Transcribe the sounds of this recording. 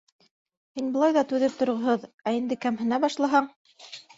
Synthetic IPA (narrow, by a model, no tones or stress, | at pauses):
hinbɤ̆lˠɑjðɑt̪ʉðɘp̚t̪ŏɾʁŏɦoðæind̪ɘkæmhɘ̆næbɑʃlˠɑɦɑɴ